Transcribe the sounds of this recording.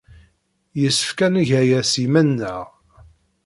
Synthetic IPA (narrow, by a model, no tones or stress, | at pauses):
jəsːə̥fkænəʝæjæsimænːəʁ